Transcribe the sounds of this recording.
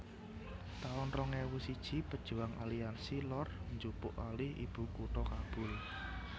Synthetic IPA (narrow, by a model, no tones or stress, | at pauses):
t̪aʊnrɔŋɛwusid̥ʒ̥ipəd̥ʒ̥ṳaŋʔa̰liansilɔrnd͡ʒupʊʔalɪhḭb̥ṳkuʈ̪ɔkab̥ʊl